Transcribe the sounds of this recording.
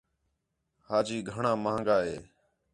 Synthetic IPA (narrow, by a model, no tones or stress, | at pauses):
haːd͡ʒiːɡʱəɳãːmãːŋɡaːɦeː